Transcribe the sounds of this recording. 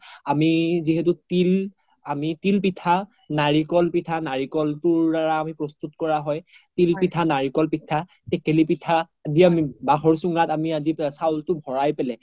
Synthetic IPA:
amiziɦetʊtil | amitilpitʰa | naɹikɔlpitʰanaɹikɔltʊɹdaɹaːmipɹɔstutkɔɹaɦɔj | tilpitʰanaɹikɔlpitʰːa | tɛkelipitʰa | adiamibaxɔɹsuŋatamiazisawltʊbʱɔɹajpɛlɛ

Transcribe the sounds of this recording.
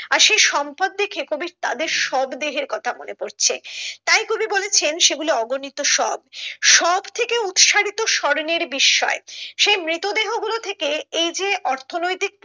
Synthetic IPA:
aɾʃejʃɔmpad̪̚ːekʰekobiɾt̪a̰d̪eɾʃɔbd̪eɦeɾkɔt̪ʰamo̰nepoɾt͡ɕʰḛt̪ajkobibolet͡ɕʰenʃeɡuloɔɡonit̪oʃɔbʃɔbt̪ʰekeut̪ʃaɽit̪oʃɔɾneɾbiʃːɔ̰eʃejmɾit̪od̪eɦoɡulot̪ʰekeejd͡ʑeʔɔɾt̪ʰonojt̪ik̚p

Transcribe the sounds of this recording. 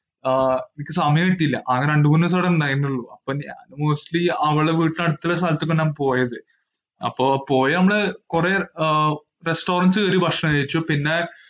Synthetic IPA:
enikʲːɨsɐmɐjɐ̃ŋiʈːijilːɐ̰ʔɐŋːɐneɐɳɖumuːnːɐs̬oːɽend̪aŋjinːuɭːuɐpːoːɲa̰ːnmoːsʈliɐʋɐɭɨeʋiːʈːɨnɐɽut̪ːɐlesaːlt̪ːikːoɳːaːmpo̞ːjɐðɨ | ɐ̰pːoːpoːjɐnɐmːɐɭkureː | resʈo̞ːrɐnsɨkeɾibʱɐkʂɐɐjit͡ɕːopinːe

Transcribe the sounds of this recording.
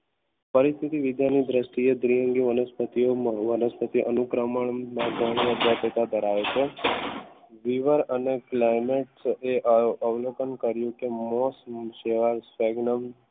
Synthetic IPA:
pəɾist̪ʰit̪iʋɪd̪janid̪ɾəsʈ̪ied̪ɾijəŋɡiʋənəspət̪iomãʋənəspət̪iʔənukɾəməɳnãɡʱəɽ̃ijəd̪apet̪ad̪əɾaʋet͡ʃʰe | ʋiʋəɾəneklajmeʈseʔəʋlokənkəɾjũkemosʃeʋaɾsʋɛɡnəm

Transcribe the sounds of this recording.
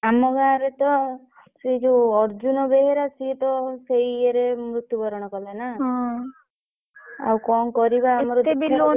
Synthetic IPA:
amɔɡaɾet̪ɔ | sed͡ʒuɔɾd͡ʒunɔbeɦeɾasit̪ɔsejeɾemɾut̪jubɔɾɔɽ̃ɔkɔlanaɦ | a̰wkɔnkɔɾibaːmɔɾɔt̪ebilo

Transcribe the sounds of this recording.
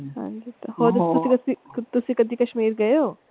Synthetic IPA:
hã̰ːɲd͡ʒit̪ɐɦoːt̪ʊikɐsit̪ʊsĩkɐd̪ikɐʃmiːɾɡɐoː

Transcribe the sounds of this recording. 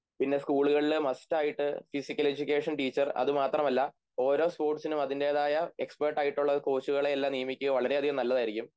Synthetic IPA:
pinːe̞skuːɭuɣɐɭilmɐstaːjiʈːɨfisikʲːɐle̞d͡ʑukʲːe̞ːʂɐnʈiːt͡ɕːɐrɐ̰ðɨmaːt̪rɐmɐlːɐ | o̞ːɾo̞ːspo̞ːʈsinumɐðinde̞ːðaːjɐe̞ksperʈːaːjiʈːuɭːɐko̞ːt͡ɕːuɣɐɭe̞ːlːaːmnijɐmikʲːuɣɐʋɐɭɐɾe̞ɐd̪ʱijɐmnɐlːɐðaːjiɾikʲːum

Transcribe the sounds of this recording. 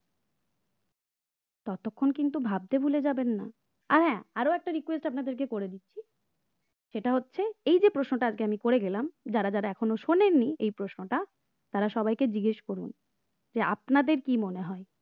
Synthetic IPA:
t̪ɔt̪okʰːonkint̪ubʱab̚t̪ebʱuled͡ʑabenːa̰ | aɾɦɛ̃aɾoɛk̚ʈaɾikwesʈapnad̪eɾkekoɾed̪itːɕʰi | ʃeʈaɦotːɕʰeejd͡ʑepɾoʃnoʈaad͡ʑkeamikoɾeɡɛlamd͡ʑaɾad͡ʑaɾaɛkʰonoʃonenːiejpɾosnoʈa | t̪aɾaʃɔbajked͡ʑiɡeʃkoɾun | d͡ʑea̰pnad̪eɾkimoneɦɔe

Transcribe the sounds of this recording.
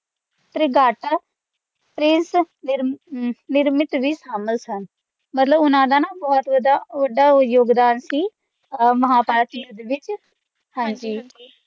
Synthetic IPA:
t̪ɾeːɡaːʈa | pɾɪns | nɪɾnɪɾmɪt̪ʋiːsaːməlsən | mət̪ləbʊnãːd̪aːnaːbɔːt̪ʋədaːʋəɖaːjoːɡd̪aːnsiː | məɦaːpaːt̪iːd̪eːʋɪt͡ʃ | hãːɲd͡ʒiː

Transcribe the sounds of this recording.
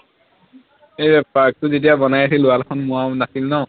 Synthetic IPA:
ejbɛpːak̚tʊzet̬ijabɔnajasʰilʊalkʰɔnmʊwanasilnɔ̃

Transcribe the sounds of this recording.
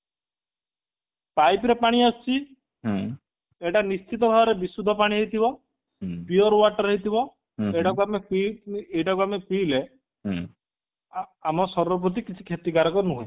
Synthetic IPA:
pajpɾepaɽ̃iast͡ʃʰĩ | eʈanist͡ʃit̪̬ɔbʱabɔɾebisud̪ʱːɔpaɽ̃iɦejt̪ʰibɔ | piɔɾwaʈɔɾeɦit̪ʰibɔ | eʈakuamepiejʈakuamepile | amɔsɔɾɔp̬ɾut̪̬ikit͡ʃʰi̥kʰet̪iɡaɾɔkɔnuɦoe

